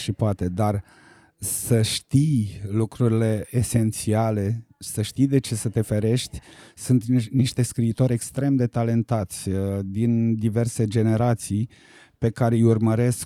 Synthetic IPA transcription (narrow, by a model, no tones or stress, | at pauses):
ʃipoat̪e̞d̪ar | səʃt̪ijlukɾuɾile̞ːse̞nt̪siale̞səʃt̪ijd̪e̞t͡ʃe̞sət̪e̞fe̞ɾe̞ʃt̪ʲsunt̪niʃt̪e̞skɾiːt̪o̞ɾʲe̞kst̪ɾe̞md̪e̞t̪ale̞nt̪at̪sʲd̪ind̪ive̞rse̞d͡ʒe̞ne̞ɾat̪sij | pe̞kaɾejurməɾe̞sk